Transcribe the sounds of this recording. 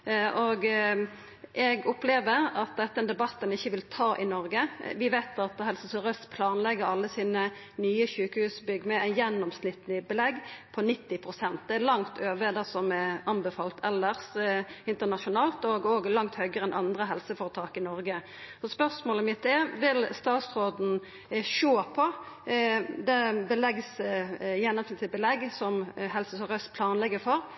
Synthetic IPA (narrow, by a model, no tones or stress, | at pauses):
ʔɔɡ | ʔɛɡɔpleːʋəɾɑt̪̚d̪ɛt̪ːəɛnd̪ɛbɑt̪ːənɪçːəʋɪlt̪ʰɑːʔɪnɔɾɡəʋɪʋæɪt̪ɑt̪ɦɛlsəsɔɾœst̪pʰlɑːnlɛɡːəɾɑlːəsiːnə | nyːəçʉːkəhʉːsbʏɡːmɛæjɛnːɔmsnɪt̪nəbəlɛɡːpʰɔnɪt̪ːɪpʰʁʊsɛnt̪̚d̪ɛælɑŋt̪ʰøːʋəd̪ɛsɔmɛɑnbɛfɑːlt̪ʰɛlːəʁsɪnt̪əʁnɑʃʊnɑːlt̪ɔɡoɡlɑŋt̪hœɡəɾɛnʔɑnd̪ʁəɦɛlsəfoːɾət̪ʰɑːkɪnɔɾɡə | ɔspœʁsmoːləmɪt̪ːɛʋɪlst̪ɑːt̪sʁoːd̪n̩ | ʃoːpʰɔ | d̪ɛbəlɛɡsjɛnːɔmsnɪt̪əbəlɛɡsɔmɦɛlsəsɔʁœst̪pʰlɑːnlɛɡəfɔɾ